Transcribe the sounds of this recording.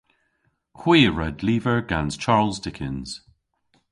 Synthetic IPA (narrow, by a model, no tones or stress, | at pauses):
hwiːɹɛdliːvəɹɡãnz̥t͡ʃʰaːɹlˠzdɪkʰɪ̃nz̥